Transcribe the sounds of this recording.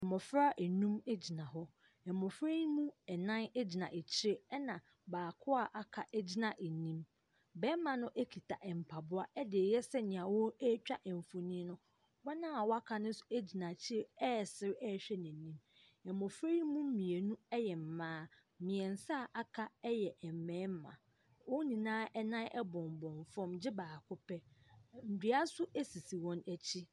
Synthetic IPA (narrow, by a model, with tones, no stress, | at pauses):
ɛ˨mɔ˨fɾa˦ʔɛ˨nũ˦me˦d͡ʑi˨nã˨ɦɔ˦ | ɛ˨mɔ˨fɾe˦jmũ˦ɛ˨nã˦n˦d͡ʑi˨nã˨ʔe˨t͡ɕʰɪ˦e˦ɛ˦nã˨ | baː˨kʰʊ˦a˦˨ʔa˨kʰa˨ʔɛ˦d͡ʑi˦nã˨ʔe˨nĩ˦m | bɛ˦mã˨nʊ̃˦ʔe˦kʰi˨tʰa˨ʔɛ˨m̩˨pʰa˨bʊ˦a˦ɛ˦dɪ˨e˨jɛ˦sɛ˦ɲɪ̃˨ã˨wɔ˦ɛ˦t͡ɕᶣa˦ʔɛ˨m˨fo˨nĩ˦nʊ̃˦ | wa˦nã˦a˨wɔ˦a˦kʰa˨nʊ̃˦n̩˦sʊ˨e˦d͡ʑi˨nã˨t͡ɕʰɪ˦ɾe˦ɛ˦˨sɪ˦ɾɛ˦˨ɕᶣɛ˦nɪ̃˨nĩ˦m | ɛ˨mɔ̃˨fɾe˦i˦mũ˦m̩˦mĩ˨e˨nũ˦ɛ˦jɛ˨m̩˨mãː˦ | mɪ̃˨ɛ̃˨n˨sa˦˨ʔa˦kʰa˦ɛ˦jɛ˨ʔɛ˨m˨mɛ̃ː˨˦m˦mã̰˨ | wɔ˦nĩ˨nãː˦ʔɛ˦nã˦ʔɛ˦bɔ̃˨m˨bɔ̃˨ɱfɔ̃˦md͡ʑɪ˦baː˨kʰʊ˦pʰɛ˦n̩˨di˨˦a˦sʊ˦e˦si˨si˨wɔ̃˦næ˨t͡ɕʰi˦